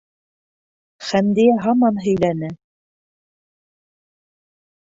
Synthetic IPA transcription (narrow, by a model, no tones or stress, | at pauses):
χænd̪ijæɦɑmɑnɦɵ̆jlænɘ